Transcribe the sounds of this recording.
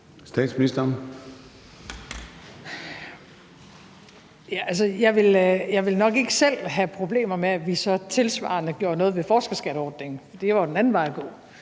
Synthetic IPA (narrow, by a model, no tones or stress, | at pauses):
sd̥ɛ̰ːd̥sminisd̥ɐn | jæʔælsəjɑ̈ɪʋe̝ljɑ̈ɪʋe̝lnɒ̽ɡ̥e̝ɡ̥əsel̰ɦæpʰʁo̝b̥le̝̰ːmɐmeæʋisɒ̽t͡sʰe̝lsʋɑ̰̈nəɡ̥jo̝ːɐnɔːð̞̩ˠʋe̝fɒːsɡ̥ɐsɡ̥æɾ̥əɒːd̥ne̝ŋfɒd̥iʋɑ̈od̥enæn̩ʋɑ̈ɪ̰æɡ̥ɔ̰̽ː